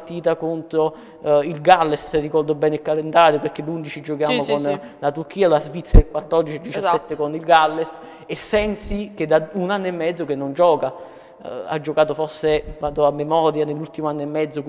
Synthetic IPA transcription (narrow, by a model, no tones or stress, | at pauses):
t̪iːt̪akont̪ɾo | ilɡalːessrːikɔrd̪obɛːnekːalend̪aːɾopeɾk̟elːund̪it͡ʃid͡ʒokjaːmokonlat̪uɾk̟iːalazvit̪sːjaelkwat̪ːɔrd̪it͡ʃied̪it͡ʃasːɛt̪ːekonilɡalːes | esːɛnsiked̪aunanːoɛmːɛd̪zːokenːond͡ʒɔːka | a̰d͡ʒːokaːt̪ofɔsːekwant̪oamːemɔːɾjanelːult̪imoanːemːɛd̪zːok